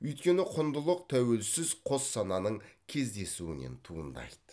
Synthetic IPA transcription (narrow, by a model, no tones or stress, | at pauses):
ɵjt̪kʲe̞nɪqʰʊnd̪əlˠəq̚t̪ʰæwe̞lsɪzqʰo̞sːɑnɑnəɴkʲʰe̞zd̪e̞suwɪne̞̰nt̪ʰuənd̪ɑ̰jd̪ə̥